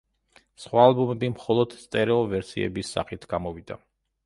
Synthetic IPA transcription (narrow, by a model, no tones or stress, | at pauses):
sχwaːlˠbumɛbimχɔlˠɔd̪̥st̪sʼɛɾɛɔvɛɾsḭɛ̰bisːa̰χit̪ʰɡ̥amɔvid̪a̰